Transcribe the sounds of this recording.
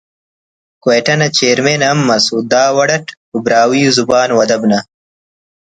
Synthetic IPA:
kweːʈɐnɐt͡ɕeːɾmeːnɐmːɐsud̪aːwɐɽɐʈ | ubɾaːwiːuzubaːnwɐd̪ɐbnɐ

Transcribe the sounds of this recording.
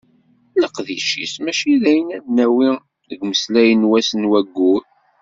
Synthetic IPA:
ləqðiʃḭsmæʃiðæjənædnæwi | əɡməslæjənwæsənwæɡːuɾ

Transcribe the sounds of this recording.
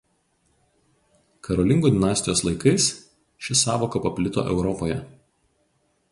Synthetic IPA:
kɐɾoːlʲɪŋɡuːd̪ʲɪnɑːsʲt̪ʲɪjoːslˠɐɪkɐɪs | ʃʲɪsɑːʋokɐpɐpʲlʲɪt̪o̰ːʔɛ̰ʊɾɔpoːjɛ

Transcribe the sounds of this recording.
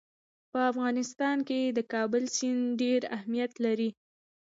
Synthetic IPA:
pəafɣɑnɪst̪ɑnked̪əkɑbəlsinɖeɾa̰hmijat̪laɾi

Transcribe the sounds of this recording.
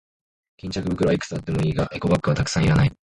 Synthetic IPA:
kʲĩɲ̟t͡ɕakɯbɯ̟kɯɾaikɯ̥t͡sɨat̪ːe̞moiːɡaʔe̞ko̞bakːɯβat̪akɯ̟̥sãiɾanai

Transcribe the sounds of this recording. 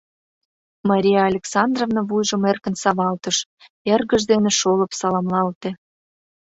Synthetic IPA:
mɑɾʲijɑɑlʲeksɑnd̪rovnəβujʒəmerkə̆nsɑβɑlt̪əʃ | erɣəʒd̪eneʃoləpsɑlɑmlɑlt̪ĕ

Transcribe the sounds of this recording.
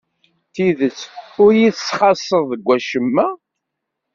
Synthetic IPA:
θiðət͡sːʊɾjiθsχɑsˤːəðˤəɡʷːæʃəmːæ

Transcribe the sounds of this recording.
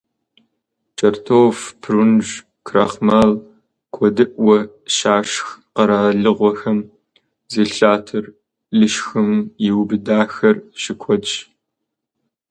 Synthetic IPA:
t͡ʃʼɐrtʰoːfpʰrunʒ | kʰraːχmaːl | kʷʰɔdɨʔwɐ | ʃaːʃxqɐɾaːɮɨʁʷɔxɐm | zeːɬaːtʰɨr | ɮɨʃxɨmjɪwbɨdaːxɐrɕɪkʷʰɔt͡ʃ

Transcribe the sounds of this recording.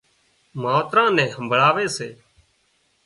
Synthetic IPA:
maːt̪ɾãːnɛ̃ːɦəmbʱɭaːʋeːseː

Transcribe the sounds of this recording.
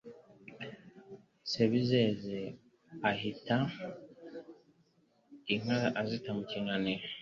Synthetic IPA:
seβizeze | ahita | iŋ̥aazitamuciŋɡane

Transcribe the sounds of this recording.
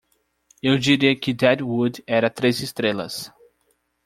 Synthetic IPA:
ewd͡ʒiɾiɐkɪd̪ɛd̪wud̪ɛɾɐt̪ɾezɪst̪ɾelɐ̰s

